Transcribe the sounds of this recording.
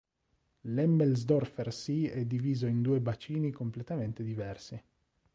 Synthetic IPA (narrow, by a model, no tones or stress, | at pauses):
lɛmːelzd̪ɔrfersiɛd̪ːiviːzoind̪uːebat͡ʃiːnikomplet̪ament̪ed̪ivɛrsi